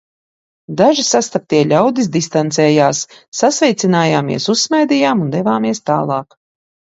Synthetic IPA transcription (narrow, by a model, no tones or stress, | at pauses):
d̪aʒisast̪ap̚t̪iɛʎʲawd̪isd̪ist̪ant̪sɛːjaːsːasvɛjt̪sinaːjaːmḭɛsussmajd̪ijaːmund̪ɛvaːmiɛst̪a̰ːlˠɑːk